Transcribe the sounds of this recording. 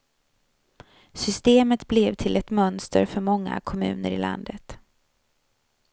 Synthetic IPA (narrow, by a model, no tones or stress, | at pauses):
sʏst̪eːmət̪blɛvt̪ʰɪlɛt̪mœnst̪əɾfœɾmɔŋːa̰kʰɔmʉ̟ːnəɾɪla̰nd̪ət̪